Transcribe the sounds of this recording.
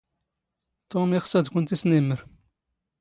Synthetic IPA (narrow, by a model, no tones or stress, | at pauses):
t̪omiχsæd̪kʷʊnt̪isniməɾ